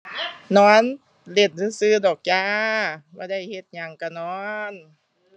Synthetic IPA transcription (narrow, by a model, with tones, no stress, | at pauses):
nɔː˧˥˩n | le˧˩n̚nɯː˧˥˩sɯː˧˩˨dɔː˨˩k̚jaː˧˥˦baː˧˦da˧˥˩jhe˧˦t̪̚ɲa˧ŋka˧˩nɔː˧˦n